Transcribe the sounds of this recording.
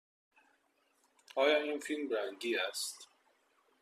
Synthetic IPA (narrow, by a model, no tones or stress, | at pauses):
ɒːjɒːiːnfilmɾæŋɟiːæst̪